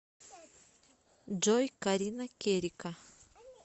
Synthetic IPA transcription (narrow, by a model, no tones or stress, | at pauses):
d͡ʒojkaɾinakʲeɾika